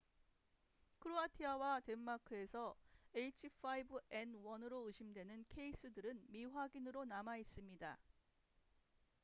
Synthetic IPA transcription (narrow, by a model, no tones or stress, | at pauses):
kʰɯɾoatʰiawate̞mːakʰɯe̞sʰʌeit͡ɕʰifʰaibɯe̞nwʌnɯɾoɯɕʰimdwe̞nɯnkʰe̞is͈ɯdɯɾɯnmiɸwaɡinɯɾonamais͈ɯmɲida